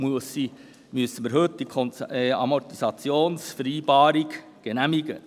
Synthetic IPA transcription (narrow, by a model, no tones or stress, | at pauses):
muəsi | myəsːən̩miːɾɦɵt̪̚d̥̪ikʰɔnt͡sɛɑ̰mɔrt̪isɑt͡sjoːnsfəɾiːbɑːɾiɡ | ɡ̥enæmiɡə̰